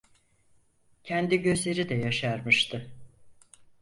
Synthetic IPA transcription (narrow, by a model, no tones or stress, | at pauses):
cʰɛnd̪iɟøzlʲeɾid̪ɛjaʃaɾmɯʃt̪ʰɯ